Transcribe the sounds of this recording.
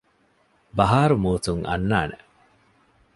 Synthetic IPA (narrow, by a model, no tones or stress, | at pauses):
bɐɦaːɾumuːt̪uŋʔɐ̰nːaːne